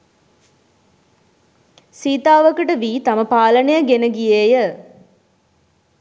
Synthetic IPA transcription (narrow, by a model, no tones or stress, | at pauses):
siːt̪aːʋɐkəʈəʋiːt̪ɐməpaːlɐnejɐɡenəɡijeːjə